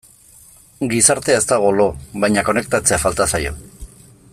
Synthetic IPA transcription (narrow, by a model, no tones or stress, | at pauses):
ɡisaɾt̪e̞aest̪aɣ̞o̞lo̞βajɲako̞ne̞kt̪at͡se̞afalt̪asajo̞̰